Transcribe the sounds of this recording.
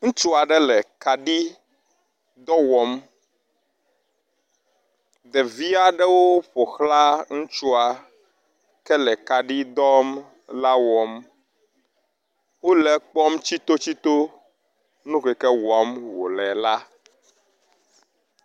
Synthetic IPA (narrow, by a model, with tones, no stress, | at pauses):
ŋũ˦t͡ʃu˦a˨ɖɛ˦lɛ˨ka˨ɖi˦ | d̪ɔ˦wɔ˨m | d̪ɛ˨vi˦a˦ɖɛ˦wo˦ɸo˨xla˦ŋũ˦t͡ʃu˦a˨ | kɛ˦lɛ˨ka˨ɖi˦d̪ɔ˦m | la˦wɔ˨m | wo˦lɛ˨k͡pɔ˦mt͡ɕi˦t̪o˦t͡ɕi˦t̪o˦ | nũ˦kɛ˨kɛ˦wɔ˨˦mwo̰˨lɛ˨la˦